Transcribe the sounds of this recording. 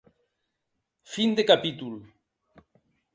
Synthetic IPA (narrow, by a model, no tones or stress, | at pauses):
find̪ekapit̪ul